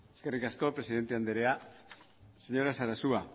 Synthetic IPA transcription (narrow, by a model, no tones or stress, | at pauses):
eske̞rikasko̞pɾe̞siðe̞nt̪e̞and̪eɾe̞a | seɲo̞ɾasaɾasua